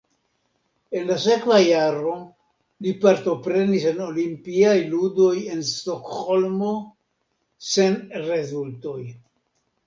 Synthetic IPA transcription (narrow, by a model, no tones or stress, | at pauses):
e̞nlas̬e̞kvajaɾo̞ | lipaɾto̞pɾe̞niseno̞limpiajludo̞je̞nst̪o̞kho̞lmo̞ | se̞nɾe̞zulto̞j